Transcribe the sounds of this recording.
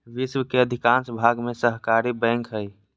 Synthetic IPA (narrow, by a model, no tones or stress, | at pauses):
ʋiswkeəd̪ʱikãnsbʱaɡmesəɦkaɾibɛ̃ŋkɦəj